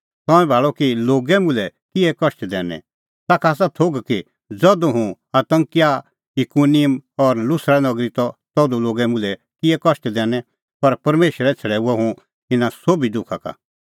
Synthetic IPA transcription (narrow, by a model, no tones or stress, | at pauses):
t̪ɔ̃ɛ̃bʱaːɭɔkiloːɡɛmʊ̃lɛkɪɛkɔʃʈd̪ɛ̃ːnɛ̰̃ | t̪aːkʰaːs̬at̪ʰoɡki | d͡zɔd̪uɦũ | at̪ɐ̃ŋkɪja | jɪkunɪjəmɔɾlʊsɾanɐɡɾit̪ɔt̪ɔd̪uloːɡɛmʊ̃lɛ | kɪɛkɔʃʈd̪ɛːnɛ̃ | pɐɾpɐɾmeːʃəɾɛt͡sʰɐɽɛːuaɦũ | ɪnasobid̪ʊkʰaka̰